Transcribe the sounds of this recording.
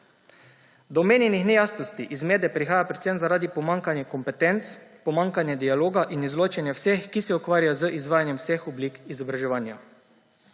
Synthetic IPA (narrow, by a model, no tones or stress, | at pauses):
d̪ɔmeːnjɛnixnɛjast̪ɔst̪iʔizmeːd̪ɛpɾixaːjapɾɛt̪senzaɾaːd̪ipɔmaŋkanjɛkɔmpɛt̪ɛnt̪spɔmaŋkanjɛd̪ialoːɡaʔinizloːt͡ʃɛnjɛwsexkːisɛukʋaːɾjajɔzəʔizʋaːjanjɛmwsexɔbliːkizɔbɾaʒɛʋaːnja